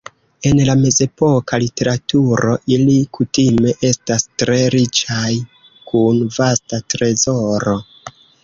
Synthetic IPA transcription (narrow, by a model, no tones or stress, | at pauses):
e̞nlame̞ze̞po̞kʰalite̞ɾatuɾo̞ʔilikutime̞ʔe̞stastɾe̞ɾit͡ʃaj | kunvastatɾe̞zo̞ɾo̞